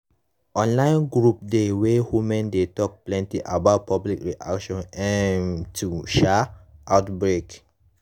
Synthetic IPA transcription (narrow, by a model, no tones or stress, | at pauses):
ɔ̃nlãɪ̃nɡɹup̚dewewumɛ̃ndetɔk̚plɛ̃ntiʔabaʊt̚pɔblikɹiʔa̰kʃɔ̃nɛ̃ntʰuʃɛʔatbɹek